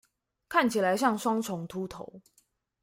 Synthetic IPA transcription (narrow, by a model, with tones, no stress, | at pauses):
kʰa˥˨nt͡ɕʰi˨˩la˨˦ɪɕjɑ˥˩ŋswɑ˥ŋt͡sʰʊ˨˥ŋt̪ʰu˨˦t̪ʰo˨˧˦ʊ